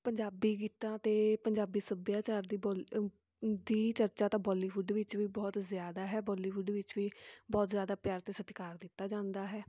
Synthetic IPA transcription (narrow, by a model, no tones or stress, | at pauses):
pəɲd͡ʒaːbiːk̬iːt̪ãːt̪eːpəɲd͡ʒaːbiːsəbjaːt͡ʃaːɾd̪iːb | d̪iːt͡ʃəɾt͡ʃaːt̪ãːbɔːliːʋʊɖʋɪt͡ʃʋiːbɔːt̪zjaːd̪aːɦɛːbɔːliːʋʊɖʋɪt͡ʃʋiːbɔːt̪zjaːd̪aːpjaːɾt̪eːsət̪kaːɾd̪ɪt̪ːaːd͡ʒãːnd̪aːɦɛː